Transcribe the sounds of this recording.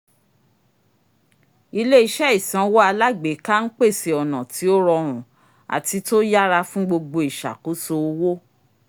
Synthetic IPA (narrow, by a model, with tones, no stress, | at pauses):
i˧le˦i˧ʃɛ˦i˦˨sã˨˧wɔ˦a˧la˦ɡ͡be˨˦ka˦n̩˦k͡pe˦˨se˨ɔ˨nã˨ti˨˦o˦ɾɔ˧ɾ̃ũ˨ | a̰˨ti˨˧to˦ja˦ɾa˧fũ˦ɡ͡bo˧ɡ͡bo˧i˨ʃa̰˨ko˨˦so˧˦wo˦